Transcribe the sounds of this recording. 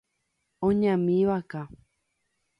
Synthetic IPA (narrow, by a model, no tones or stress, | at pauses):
õɲãmĩʋaka